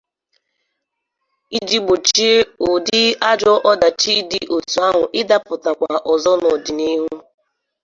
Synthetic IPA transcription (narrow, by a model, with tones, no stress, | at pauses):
i˦d͡ʒi˦ɡ͡bo˨t͡ʃi˦o˨dɪ˦a˦d͡ʒɔ˦ʔɔ˦da˨t͡ʃi˦di˦ʔo˨tu˨a˦ɦʊ˨ʔɪ˦da˦pʊ˨ta˨kʷa˨ʔɔ˨zɔ˦nɔ˨dɪ˨ni˦ɦu˦